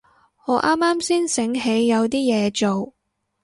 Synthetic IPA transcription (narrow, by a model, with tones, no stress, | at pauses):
ŋɔː˨˧ʔaː˥mːaː˥msiː˥nsɪ˨˥ŋɦe˨˧jːɐ˨˧wt̪iː˥jɛː˨˧t͡so˨w